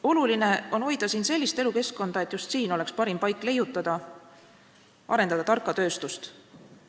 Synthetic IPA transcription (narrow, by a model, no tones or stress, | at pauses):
o̞luline̞o̞nho̞jd̪ɑsiːnse̞lʲːist̪e̞luke̞sko̞nd̪̥ɑe̞t̪ːˑjust̪siːno̞le̞kspɑɾimpɑjkːˑle̞jut̪ːˑɑd̪̥ɑ | ʔɑ̰ɾe̞nd̪ɑd̪̥ɑt̪ɑrkːˑɑt̪ø̞ːst̪ust̪